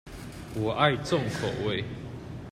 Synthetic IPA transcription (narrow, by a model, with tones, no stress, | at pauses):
wɔ˨˩ʔa˥˧ɪt͡sɔ˥˨ŋkʰo˨˩we˥˨ɪ